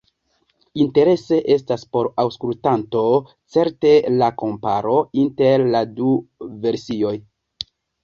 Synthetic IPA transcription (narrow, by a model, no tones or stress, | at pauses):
inte̞ɾe̞se̞ʔe̞s̬taspo̞ɾawskultanto̞ | t͡se̞ɾte̞lako̞mpa̰ɾo̞inte̞ɾladuve̞ɾsio̞j